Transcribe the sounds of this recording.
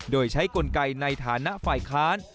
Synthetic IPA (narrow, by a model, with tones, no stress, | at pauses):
doː˧jt͡ɕʰa˦˥jko˧nka˧jna˧jt̪ʰaː˩˦na˦˥ʔfaː˨˩jkʰaː˦˥n